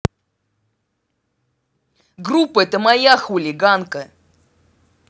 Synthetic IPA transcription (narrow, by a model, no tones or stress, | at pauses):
ɡrupːəɛt̪əmajaxʊlʲɪɡankə